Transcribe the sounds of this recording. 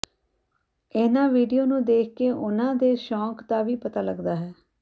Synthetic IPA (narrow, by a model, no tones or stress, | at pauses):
ɪnãːʋiːɖijoːnũːd̪eːkʰkeːʔʊnãːd̪eːʃɔːkt̪aːʋiːpət̪aːləɡd̪aːɦɛː